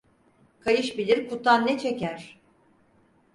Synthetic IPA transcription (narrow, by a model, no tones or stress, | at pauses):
kʰajɯʃbilʲiɾkʰut̪ʰanːɛt͡ʃʰecæɾ̥